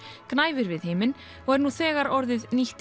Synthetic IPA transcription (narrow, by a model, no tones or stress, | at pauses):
knaːjvɪɾvɪðhɪːmɪn | ɔɣɛɾnuθɛːɣaɾɔɾðɪðniht̪